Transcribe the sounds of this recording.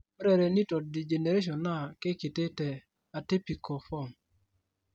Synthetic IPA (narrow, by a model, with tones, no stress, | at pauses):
ɛ˦ɾɛ˨ɾɛ˨ni˦tɔ˨di˨d͡ʒe˨ne˨ɾe˦ʃ̬ɔ˨na˦ke˦ki˨te˦tɛ˨ | a˨ti˦pi˨kɔ˨fɔ˦˨ŋ